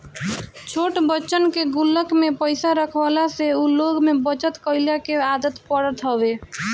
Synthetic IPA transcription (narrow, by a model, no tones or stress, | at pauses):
t͡ʃʰoʈbətːt͡ʃənkeɡulːəkmepəɪsaɾəkʰbalaseuloɡmebət͡ʃət̪kəjlakead̪ət̪pəɽət̪ɦəbe